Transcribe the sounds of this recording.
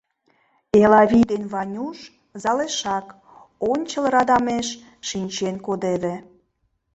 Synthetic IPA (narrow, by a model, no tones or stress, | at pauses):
elɑβʲid̪enβɑnʲuʃ | zɑleʃɑk | onʲt͡ɕə̆lɾɑd̪ɑmeʃ | ʃinʲt͡ɕenkod̪eβĕ